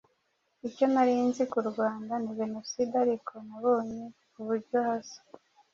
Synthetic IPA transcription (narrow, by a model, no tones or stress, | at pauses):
ico̞naɾinzikuɾɡwaːndaniʒe̞no̞sidaɾikʰonaβoːɲekuβuɾɟohazo̥